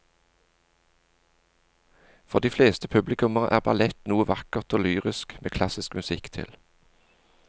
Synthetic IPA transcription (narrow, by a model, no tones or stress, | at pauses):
fɔʁd̪iːfleːst̪əpʰʉblɪkʉməʁəʔæːʁbɑ̰lɛt̪nuːəʋɑkəʁt̪oːlyːʁɪskmʔeːkʰlɑsɪskmʉsɪkt̪ʰɪ̰l